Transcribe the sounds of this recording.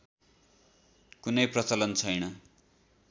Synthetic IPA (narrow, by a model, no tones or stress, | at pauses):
kunʌjprʌt͡sʌlʌnt͡sʰʌjnʌ